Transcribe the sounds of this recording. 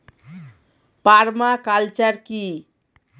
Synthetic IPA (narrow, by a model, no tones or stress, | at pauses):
paɾmakalt͡ʃəɾki